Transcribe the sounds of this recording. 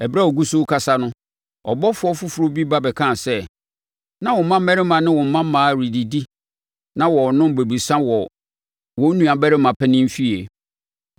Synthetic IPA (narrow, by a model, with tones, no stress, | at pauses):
ɛ˨bɾa˦ɔ˨ɡu˦so˦kʰa˦sa˦nʊ̃˦ | ɔ̰˨bɔ˦fʊ˨˦ɔ˦fʊ˦fu˨ɾo˦bi˦ba˦bɛ˨kʰã˦˨sɛ˦ | nã˦wɔ̃˨˦mã˦m̩˦mɛ˦ɾɪ˦mã˨nɪ̃˦wɔ̃˨m̩˨˦mã˦m˦mãː˨˦˨ɾi˨di˨di˦ | nã˦wɔ˨nʊ̃˦m˦be˨bi˨sã˦wɔ˨ | wɔ̃˨˦nũ˨a˨bɛ˦ɾɪ˦mã˨pʰɛ˦nɪ̃˦m̩˦fi˦e˨